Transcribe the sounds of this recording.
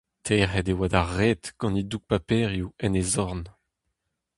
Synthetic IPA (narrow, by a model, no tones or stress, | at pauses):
tʰɛʁɛdewad̪aʁet̪ɡ̥ɑ̃niduk̚papɛːʁjuɛnezɔʁn